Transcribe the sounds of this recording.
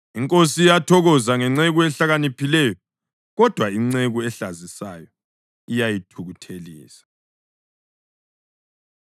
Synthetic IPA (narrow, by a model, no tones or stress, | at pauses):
iŋkʼos̬iijatʰɔɣɔzaŋɛŋ͡ǀeɣuɛɬaɣanipʰilɛjɔ | ɣɔd̥ʱwaiŋ͡ǀeɣuɛɬazisa̰jɔ | ijajitʰuɣutʰelḭːsḁ